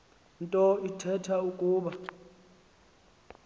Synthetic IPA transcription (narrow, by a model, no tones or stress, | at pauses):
ntʼɔitʰɛtʰaukʼuːɓa